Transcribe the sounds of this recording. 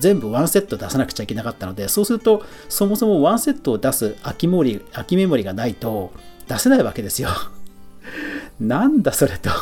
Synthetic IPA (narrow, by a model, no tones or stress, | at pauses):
zẽ̞mbɯ̟βãɰ̃se̞t̪ːod̪asanakɯ̟̥t͡ɕaikʲe̞nakat̪ːano̞d̪e̞so̞ːsɨɾɯ̟t̪o̞ | so̞mo̞so̞mo̞βãɰ̃se̞t̪ːo̞ːd̪asɨakʲimoɾʲiakʲime̞mo̞ɾʲiɡanait̪o̞d̪̥ase̞naiβake̞d̪e̞sɨjo̞ | nãnd̪aso̞ɾe̞t̪o̥